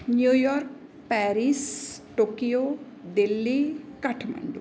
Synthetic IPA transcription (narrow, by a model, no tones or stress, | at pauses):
njujɔɾk̚ | pɛɾisʈoːkijo | d̪ilːikɐʈʰmɐ̰ɳɖṵ